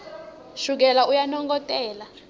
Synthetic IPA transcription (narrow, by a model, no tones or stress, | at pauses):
ʃuk̬ɛlaujanɔŋɡɔtʼɛːla